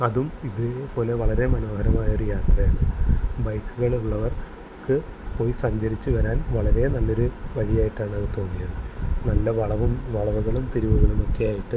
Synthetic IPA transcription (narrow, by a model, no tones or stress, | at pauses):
ɐðumiðɨpo̞ːle̞ʋɐɭɐɾe̞mɐnoːhɐɾɐmaːjɐo̞ɾujaːt̪rɐjaːɳɨbɐjkːuɣɐɭuɭːɐʋɐr | kɨpo̞ːjsɐɲd͡ʑɐɾit͡ɕːɨʋɐɾaːnʋɐɭɐɾe̞nɐlːo̞ɾuʋɐɻijaːjiʈːaːɳɐðɨt̪o̞ːnːijɐðɨnɐlːɐʋɐɭɐʋumʋɐɭɐʋuɣɐɭumt̪iɾiʋuɣɐɭuno̞kːijaːjiʈːɨ